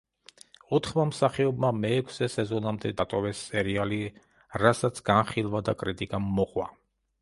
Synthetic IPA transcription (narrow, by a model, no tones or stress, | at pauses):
ɔt̪ʰχmamsaχɛɔbmamɛːkʷʰsɛsɛzɔnamd̪ɛd̪at̪ʼɔvɛsːɛɾiali | ɾasat̪sʰɡ̥anχilˠvad̪akʼɾit̪ʼikʼamːɔqʼwa